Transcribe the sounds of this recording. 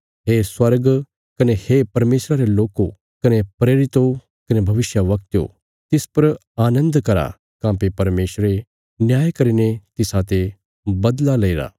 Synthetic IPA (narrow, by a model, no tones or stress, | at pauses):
ɦeːswɐɾɡ | kɐnehepɐɾmeːsɾaɾeloːko | kɐnepɾeːɾɪt̪o | kɐnebʱɐʋɪsjaʋɐkt̪jo̰ | t̪ɪspɐɾ | aːnə̃nd̪kɐɾa̰ | kãːpepɐɾmeːsɾe | njaːjkɐɾinẽt̪ɪsat̪e | bɐd̪lalɐiɾa̰ː